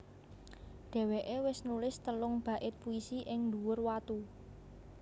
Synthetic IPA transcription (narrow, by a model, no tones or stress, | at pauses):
ɖ̪̥ɛ̤weʔewɪsnulɪst̪əlʊŋb̥ä̤ʔɪt̪̚puisiʔɪŋnd̪uwʊrwat̪u